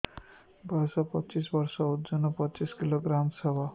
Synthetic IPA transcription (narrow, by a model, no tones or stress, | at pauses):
baɾsɔpɔt͡ʃisbɔɾsɔud͡ʒɔnːɔpɔt͡ʃiskiloɡɾamsɔba